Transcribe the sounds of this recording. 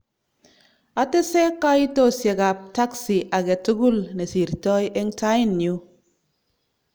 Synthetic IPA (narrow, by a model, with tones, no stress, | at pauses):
a˨te˦se˦ka˦i˦to˦sje˨ka˨p̚ta˦ksi˨ʔa˨ke˨tu˦ɡu˦lne˨si˨ɾtɔ˦je˦ŋ˦ta˦i˦˨nːu˦